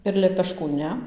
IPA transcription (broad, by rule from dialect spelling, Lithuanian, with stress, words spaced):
ɪr lʲɛpʲɛˈʃkuː ˈnʲɛ